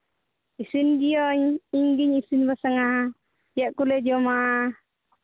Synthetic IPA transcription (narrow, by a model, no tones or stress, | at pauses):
isinɡiɔɲiŋɡiɲisinbasaŋaɦa | jaʔkulɛd͡ʒɔma